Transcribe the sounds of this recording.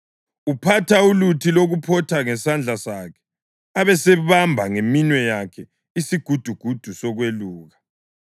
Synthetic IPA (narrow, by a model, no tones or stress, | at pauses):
upʰatʰaulutʰiloɣupʰɔtʰaŋɛsand͡ɮʱasakʰɛ̥ | aβɛsɛβambʱaŋeminwɛjakʰɛ | isiɡ̥ʱud̥ʱuɡ̥ʱud̥ʱusɔɣweluːɣa